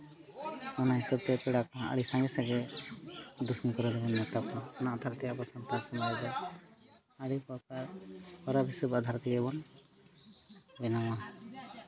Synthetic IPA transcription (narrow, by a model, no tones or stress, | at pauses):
ɔnaɦisɔb̚t̪ɛpɛɽakaa̰ɽisãŋɡɛsaɡɛ | d̪usmikɔɾɔd̪ɛbɔnːɛt̪apɔɔnaʔd̪ʱaɾt̪ɛabɔsɔnt̪asɔmɾadɛ | aɽipɔkaɾhɔɾabʱisubad̪ʱaɾt̪iɡɛbɔn | bɛnawa